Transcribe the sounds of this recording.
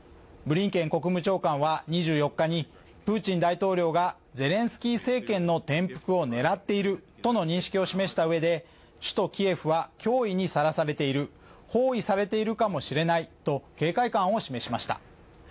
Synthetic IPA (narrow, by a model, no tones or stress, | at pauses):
bɯ̟ɾʲĩŋkẽ̞ŋko̞kɯ̟mɯ̟t͡ɕo̞ːkãɰ̃βaɲ̟iʑɨːjo̞kːaɲ̟i | pɯ̟ːt͡ɕĩnd̪ait̪o̞ːɾʲo̞ːɡa | d͡ze̞ɾẽ̞ɰ̃sɨ̥kʲiːse̞ːkẽ̞nːo̞t̪ẽ̞mpɯ̟̥kɯ̟o̞ne̞ɾat̪ːe̞iɾɯ̟t̪o̞no̞ɲ̟ĩɕi̥kʲio̞ɕime̞ɕi̥t̪aɯ̟e̞d̪e̞ | ɕɨ̥t̪o̞kʲie̞ɸɯ̟βakʲo̞ːiɲ̟isaɾasaɾe̞t̪e̞iɾɯ̟ | ho̞ːisaɾe̞t̪e̞iɾɯ̟kamo̞ɕiɾe̞nait̪o̞ke̞ːkaikãɰ̃o̞ɕime̞ɕimaɕi̥t̪a̰